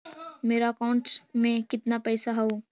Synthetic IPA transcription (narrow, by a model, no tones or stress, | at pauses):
meːɾakaʊɳʈsmẽkɪt̪napɛːsaɦɛoː